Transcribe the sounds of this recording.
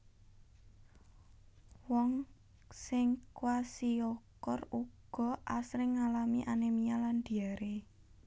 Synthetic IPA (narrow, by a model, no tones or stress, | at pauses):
wɔŋ | sɪŋkwasiɔkɔruɡ̥ɔ̤ʔasɾɪŋːalamiʔanemialand̪̥iaɾe